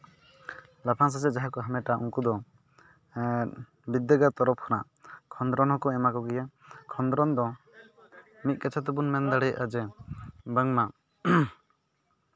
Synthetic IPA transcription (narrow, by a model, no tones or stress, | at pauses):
lapʰaŋs̬asɛd͡ʒaɦakɔɦamɛʈaʔuŋkud̪ɔ | bid̪ːəɡat̪ɔɾɔp̚kʰɔnaʔ | kʰɔnd̪ɾɔnhɔkɔɛmakɔɡɛja | kʰɔnd̪ɾɔnd̪ɔ | mit̪̚kat͡ʃʰat̪ɛbunmɛnd̪aɽɛjad͡ʒɛbaŋma